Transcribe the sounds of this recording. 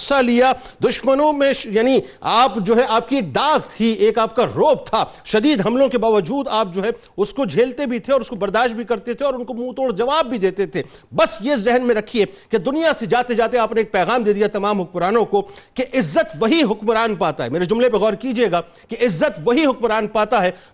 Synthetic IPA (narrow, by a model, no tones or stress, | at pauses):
salijad̪ʊʃmənõmẽjaːni | aːpd͡ʒoːɦɛʔaːp̚kieːk̚d̪aːɣt̪ʰieːkaːp̚kaɾoːp̚t̪ʰaʃɐd̪iːd̪ɦɐmlõkebaːʋəd͡ʒuːd̪aːp̚d͡ʒoːɦɛ | ʊskod͡ʒʱeːlt̪ebʱit̪ʰeɔːɾʊskobɐɾd̪aːʃt̪bʱikɐɾt̪et̪ʰeɔːɾʊnkomũt̪oːɽd͡ʒɐʋaːbːʱid̪eːt̪et̪ʰeːbɐsjezɛɦnmẽɾɐkʰieked̪ʊnijased͡ʒaːt̪ed͡ʒaːt̪eaːpneeːk̚pɛːɣaːmd̪eːd̪ijat̪ɐmaːmɦʊkmɾaːnõkokeʔɪzːət̪ʋɐɦiɦʊkmɾaːnpaːt̪aɦɛmeːɾed͡ʒʊmlep̬eɣɔːɾkid͡ʒieːɡaː | keɪzːət̪ʋɐɦiɦʊk̚mɾaːnpaːt̪aɦɛː